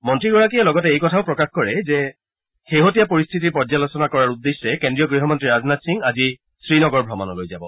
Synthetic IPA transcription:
mɔntɹiɡɔɹak̬ijɛlɔɡɔtɛejkɔtʰaʊpɹɔkaxkɔɹɛzɛ | xeɦotijapoɹist̪ʰitiɹpɔd͡ʒzalosɔnakɔɹaɹud̪ːesɛkendɹijɔɡɹiɦɔmɔntɹiɹaznatsiŋazi | sɹinɔɡɔɹbʱɹɔmanɔlojzabɔ

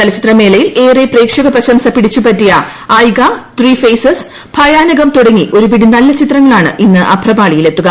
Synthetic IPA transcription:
t̪ɐlɐt͡ɕit̪rɐme̞ːlɐjileːrepreːkʂɐɣɐprɐɕɐmsɐpiɽit͡ɕːupɐtːijɐ | aːjɡɐt̪riːfejsɐs | b̥ʱɐjaːnɐɣɐmt̪oɽɐŋːiʔo̞ɾupiɽinɐlːɐt͡ɕit̪rɐŋːɐɭaːɳɨ̰ʔinːɨʔɐbʱrɐbaːɭijile̞t̪ːuɣɐ

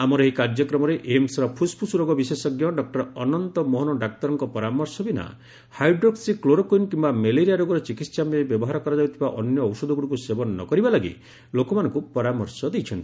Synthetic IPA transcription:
amɔɾɔɦikaɾd͡ʒjɔkɾɔmɔɾeʔemsɔɾɔpʰuspʰusuɾoɡɔbisesɔɡjɔɖɔk̚ʈɔɾɔnɔnt̪ɔmɔɦɔnɔɖak̚t̪ɔɾɔŋkɔpɔɾamɔɾsɔbina̰ | hajɖɾoksikloɾɔkojnkimbameleɾijaɾoɡɔɾɔt͡ʃikit̪samebjɔbɔɦaɾɔkɔɾɔd͡ʒawt̪ʰibaʔɔnjɔɔwsɔd̪ʱɔɡuɾupusebɔnɔːɔ̰kɔɾibalaɡḭ | lokɔmanɔŋkupɔɾamɔɾsɔd̪ejt͡ʃʰɔnt̪ii

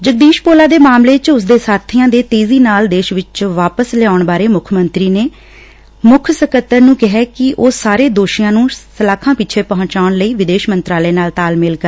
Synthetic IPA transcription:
d͡ʒək̚d̪iːʃpoːlaːd̪eːmaːmleːt͡ʃʊs̬d̪eːsaːt̪ʰiːãːd̪eːt̪eːziːnaːld̪eːʃʋɪt͡ʃʋaːpəslɛaːʊɳbaːɾeːmʊkʰmənt̪ɾiːneː | mʊkʰsəkət̪ːəɾnũːkɪɦɛːkɪʔoːsaːɾeːd̪oːʃɪjãːnũːsəlaːkʰãːpɪt͡ʃʰeːpəɦʊ̃ɲt͡ʃaːɳləiːʋɪd̪eːʃmənt̪ɾaːleːnaːlt̪aːlmɪlkəɾ

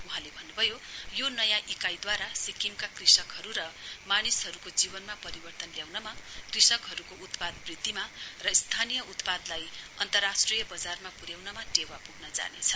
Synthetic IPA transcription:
uɦãlebʱʌnːubʱʌjojonʌjãʔikajd̪waɾasikimkakrisʌkɦʌɾuɾʌmanisɦʌɾukod͡zibʌnmapʌɾibʌrt̪ʌnljawnʌmakrisʌkɦʌɾukout̪pad̪brid̪ːimarʌist̪ʰanijʌut̪pad̪lajʌ̰nt̪ʌrːasʈrijʌbʌd͡zarmapuɾjawnʌmaʈewapuɡnʌd͡za̰nḛt͡sʰʌ

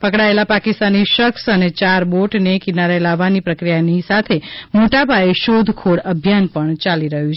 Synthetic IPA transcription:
pəkɽaelapakist̪aniʃəksənet͡ʃaɾboʈnekinaɾelaʋːanipɾəkɾijanisat̪ʰemoʈabʱaeʃod̪ʱkʰoɽəbʱjanpəɳt͡ʃaliɾəɦjũt͡ʃʰe

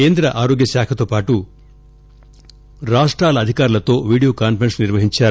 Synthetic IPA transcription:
eːnd̪ɾɐʔaːɾoːɡjɐʃaːkʰɐt̪o̞ːpaːʈu | ɾaːʂʈɾaːlɐːd̪ʱikaːɾulɐt̪o̞ːʋiːɽijoːkaːnpʰɐɾensniɾʋɐɦiɲt͡ʃaːɾu

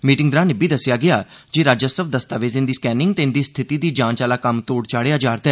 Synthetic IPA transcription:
miːʈɪŋɡd̪ɾãːnɪbiːd̪əsːɪjaːɡɪaː | d͡ʒeːɾaːd͡ʒəsəb̚d̪əst̪aːʋeːzɪ̃nd̪iːskɛːnɪŋɡt̪eɪnd̪iːst̪ʰɪt̪iːd̪iːd͡ʒãːnt͡ʃaːlaːkəmt̪oːɽt͡ʃaːɽejaːd͡ʒaːɾt̪ɛː

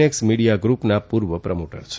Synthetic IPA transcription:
eksmiɽijaɡɾupnapuɾʋəpɾəmoʈə̰ɾt͡ʃʰe

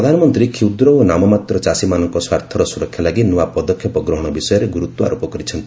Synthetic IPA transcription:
ɾɔd̪ʱanɔmɔnt̪ɾikʰiwd̪ɾɔonamɔmat̪ɾɔt͡ʃasimanɔŋkɔswaɾt̪ʰɔɾɔsuɾɔkʰjalaɡinuapɔd̪ɔkʰːjɔpɔɡɾɔɦɔɽ̃ɔbisɔjɔɾeɡuɾut̪wɔa̰ɾopɔkɔɾit͡ʃʰɔnt̪i

